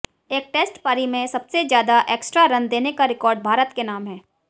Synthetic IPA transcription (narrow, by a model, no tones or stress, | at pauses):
eːk̚ʈeːsʈpaːɾimẽsɐbsezjaːd̪aʔeːksʈɾaɾɐ̃nd̪eːnekaɾɪkɔːɾɖ̚bʱaːɾət̪kenaːmɦɛː